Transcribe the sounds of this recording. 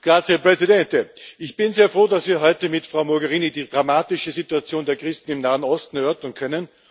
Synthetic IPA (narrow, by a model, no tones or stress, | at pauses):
ɡ̥ʁaːt͡shɛɐpʁɛzidɛntəʔɪçb̥ɪnzeːɐfʁoːdasv̥iːɐɦɔʏtəmɪtfʁaʊmɔɡɛʁiːnidiːdʁamaːtɪʃəzituat͡sjoːndeɐkʁ̥ɪstn̩ɪmnaːənɔstn̩ɛɐœɐtɐnkʰœnən